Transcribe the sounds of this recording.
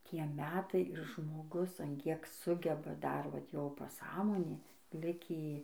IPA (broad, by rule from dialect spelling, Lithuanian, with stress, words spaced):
ˈtʲiɛ ˈmʲæːtɐɪ ɪr ʒmoːˈɡʊs ɐn ˈkʲiɛk ˈsʊɡʲɛbɐ ˈdɐr ʋɐt ˈjoː pɐˈsɑːmoːnʲeː ˈlʲɪkʲiː